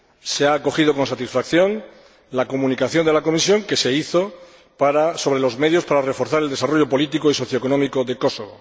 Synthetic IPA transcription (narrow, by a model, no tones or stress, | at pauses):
seaːko̞xið̞o̞ko̞nsat̪isfakθjo̞n | lakomũnikaθjo̞nd̪e̞lako̞misjõ̞ŋke̞se̞iθo̞ | paɾaso̞βɾe̞lo̞zme̞ðjo̞spaɾare̞fo̞ɾθaɾeld̪e̞saro̞ʝo̞po̞lit̪ikoiso̞θjoko̞nõmikoðe̞ko̞so̞βo̰